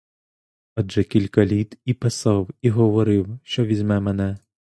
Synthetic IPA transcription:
ɐʐɛkʲilʲkɐlʲit̪ipɪsɑwiɣɔʋɔɾɪwʃt͡ʃɔʋʲizʲmɛmɛnɛ

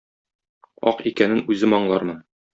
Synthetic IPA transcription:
ɒ̰qikænɘnʉzɘmɒɴlˠɑɾmɤn

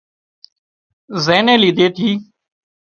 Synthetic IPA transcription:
zeːnẽːliːd̪eːt̪ʰiː

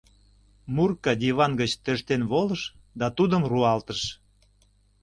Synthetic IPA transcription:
murkɑd̪iβɑnɡət͡ɕt̪ə̆ʃt̪enβoləʃ | d̪ɑt̪ud̪əmruɑlt̪əʃ

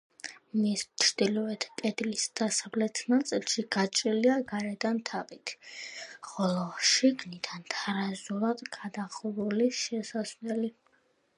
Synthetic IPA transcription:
mist͡ʃʰɾd̪̥ilɔɛt̪ʰk̪ʼɛd̪lisd̪̥asavlɛt̪ʰnat̪sʼilˠʃiɡat͡ʃʼɾiliaɡaɾɛd̪ant̪ʰavit̪ʰ | χɔlˠɔʃiɡnid̪ant̪ʰaɾazulˠad̪ɡad̪aχɾuliʃɛsaslɛli

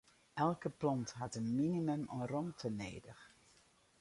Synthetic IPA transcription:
ʔɛlˠkəplɑntɦɑtənminimɵmɔmrɔmtʰənḛːjdəχə

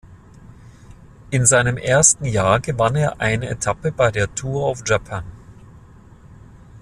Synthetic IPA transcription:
ʔɪnzaɪnəmʔeːɐstn̩jaːɐɡəvaneːɐʔaɪnəetʰapəbaɪdeːɐtʰuːɐaʊfʒ̥apʰan

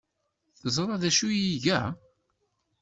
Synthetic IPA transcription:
θəzˤɾˤɑðæʃujiʝæ

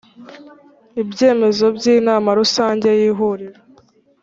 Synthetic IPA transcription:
ibɟe̞ːme̞zo̞bɟiːnaːmaɾusaːɲɟe̞jiːɦuɾiɾa

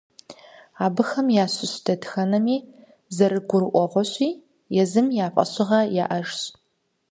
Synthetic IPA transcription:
aːbɨxɐmjaːɕɪɕdʰɐdxɐnɐmiː | zɐɾɨɡʷʊrɨʔʷɔʁʷɔɕʷʼiː | jɛzɨmjaːpʼɐ̰ɕʼɪʁɐjaːʔɐʒɕ

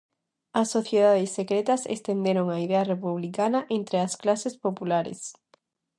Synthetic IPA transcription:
ɐsːoθjeðaðɪsːekɾet̪ɐsḛst̪end̪eɾoŋaiðeɐrepuβ̞likanɐʔent̪ɾeɐsklasespopulaɾḛs

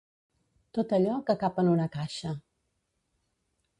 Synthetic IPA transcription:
t̪ot̪əʎɔkəkapənunəkaʃə

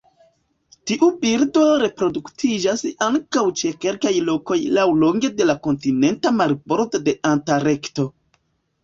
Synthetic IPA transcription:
tiʔubiɾdo̞ɾe̞pɾo̞duktʰid͡ʒasaŋkawt͡ʃe̞ke̞lkajlo̞ko̞jlawlo̞ŋɡe̞de̞lako̞ntine̞ntamaɾbo̞ɾdode̞ʔantaɾe̞kto̞

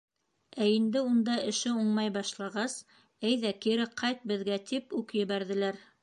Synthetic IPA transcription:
æind̪ɘund̪ɑɘ̆ʃɘuɴmɑjbɑʃlˠɑʁɑs | æjðækiɾɘqʰɑjt̪̚bɘ̆ðɡæt̪ʰipʉkjɘ̆βæɾðɘ̆læɾ

